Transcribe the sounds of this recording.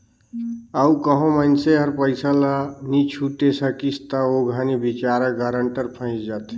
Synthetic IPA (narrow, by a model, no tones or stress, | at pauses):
əukəɦõmənseɦəɾpəjsəlanit͡ʃʰuʈesəkist̪əoɡʱənibit͡ʃaɾəɡəɾəɳʈəɾpʰə̃ɪ̃t͡ʃd͡ʒat̪e̥